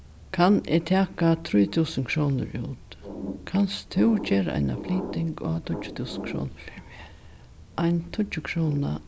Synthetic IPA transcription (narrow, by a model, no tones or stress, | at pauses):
kʰanɪt̪ʰaːkat̪ʰɾujt̪ʰuːsənkʰɾuːnʊ̰ɾuːt̪kʰanst̪ʰɪwd͡ʒeːɾa̰jna̰fliːt̪ɪŋkat̪ʰʊt͡ʃʊ̥t̪ʰuːsənkʰɾṵːn | ʔajnt̪ʰʊt͡ʃːʊkʰɾuːna̰